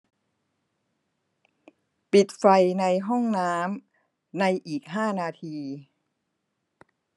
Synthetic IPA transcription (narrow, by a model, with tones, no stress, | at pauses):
pi˨˩t̪̚fa˧jna˧jɦɔ˥˩ŋnaː˦˥m | na˧jʔiː˨˩k̚ɦaː˥˩naː˧t̪ʰiː˧